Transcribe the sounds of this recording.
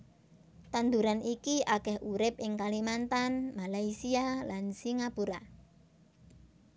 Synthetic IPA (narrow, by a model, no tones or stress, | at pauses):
t̪and̪uɾanikiʔakɛhʔuɾɪp̚ʔɪŋkalimant̪anmalaisialansiŋapuɾa